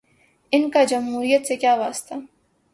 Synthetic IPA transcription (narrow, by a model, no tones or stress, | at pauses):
ɪnkad͡ʒɐmɦuːɾijət̪sekjaːʋaːst̪a